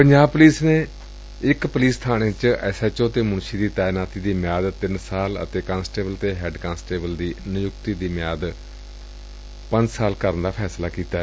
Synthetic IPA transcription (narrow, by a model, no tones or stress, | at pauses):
pəɲd͡ʒaːbpəliːsneː | ɪkpəliːst̪ʰaːñẽːt͡ʃɛːsɛːt͡ʃoːt̪eːmʊnʃiːd̪iːt̪aːɪnaːt̪iːd̪iːmjaːd̪t̪ɪnsaːlə̰t̪eːkãːnsʈeːbəlt̪eːɦɛːɖkãːnsʈeːbəld̪iːnɪjʊkt̪iːd̪iːmɪjaːd̪ | pə̃ɲd͡ʒsaːlkəɾənd̪aːpʰɛːslaːkiːt̪aːɛ